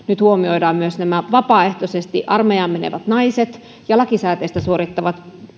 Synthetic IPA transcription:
nyt̪huomioidɑːmmyøsnæmæʋɑpɑːeht̪osest̪iʔɑrmejɑːmmenḛʋæt̪nɑiset̪ | jɑlɑkisæːt̪eist̪æsuoɾit̪ːɑʋɑt̪

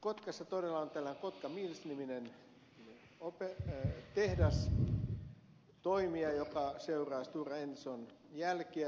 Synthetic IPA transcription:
kot̪kɑsːɑt̪odelːɑont̪ælːæneŋkot̪kɑmiːlsniminen | opet̪ehdɑs | t̪oimiɑjokɑseurɑːst̪uːrɑensonjælkiæ

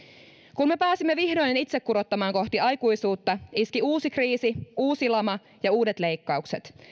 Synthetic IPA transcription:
kunme̞pæːsimːeʋihdojnenit̪sekːuɾo̞t̪ːɑmɑːŋko̞ht̪iɑjkujsuːt̪ːɑiskiuːsikriːsiuːsilɑmɑ | jɑuːdet̪le̞jkːɑukse̞t̪

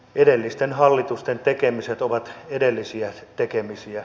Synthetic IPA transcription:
ʔedelːist̪enhɑlːit̪ust̪ent̪ekemiset̪oʋɑt̪edelːisiæt̪ekemisiæ

